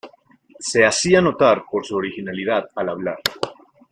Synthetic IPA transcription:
se̞asiano̞t̪aɾpo̞ɾsuoɾixinaliðaðalaβlaɾ

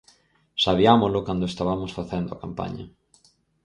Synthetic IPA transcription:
saβiamolʊkand̪oest̪aβamosfaθend̪ʊakampa̰ɲɐ̰

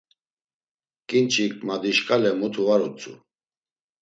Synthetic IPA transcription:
kʼint͡ʃʰʼikʰʼmad̪iʃkʼalɛmut̪ʰuvaɾut͡sʼṵ

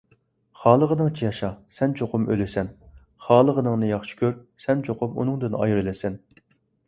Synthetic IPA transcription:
χɑːlˠəʁənɨŋt͡ʃʰijɑʃɑsɛnt͡ʃʰoqʰʊmø̰lɪsɛn | χɑːlˠəʁənɨŋnɨjɑχʃi̥kʲʰøɾsɛnt͡ʃʰoqʊmṵnɨŋd̪ɨnɑ̰jɾɨlˠɪsɛn

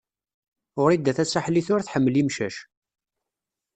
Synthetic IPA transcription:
ʊɾid̪ːæθæsaħliθʊɾθħəmːəlimʃæʃ

